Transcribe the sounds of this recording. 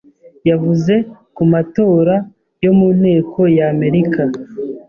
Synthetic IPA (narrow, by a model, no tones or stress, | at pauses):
javuze̞ | kumato̞ːɾa | jo̞mun̥he̞ːkʰo̞jaːme̞ɾikʰa